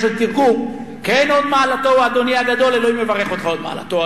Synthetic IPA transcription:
ʃelt̪iʁɡum | keno̞d̪maːlat̪o̞waːd̪o̞niaɡad̪o̞leloime̞vaʁeχo̞t̪χao̞d̪ma̰ːa̰la̰t̪o

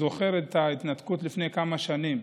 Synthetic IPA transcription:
o̞χe̞ʁet̪ait̪nat̪kutlifne̞jkamaʃanim

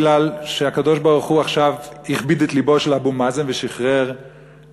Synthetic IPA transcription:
lalʃeakad̪o̞ʃbaʁuχuaχʃaviχbid̪et̪liboʃelabumazenveʃiχʁeʁ

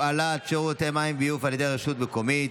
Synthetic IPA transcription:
alat̪t͡ʃout̪emaimbijufaljed̪ejʁeʃut̪̚bekomit̪

